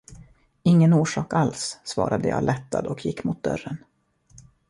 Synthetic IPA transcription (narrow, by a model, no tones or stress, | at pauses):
ɪŋːənuːʂɑːkalsːvɑ̰ːɾʔad̪əjɑ̰ːlɛt̪ːad̪ɔkʰjɪkːmʊt̪̚d̪œ̰rːən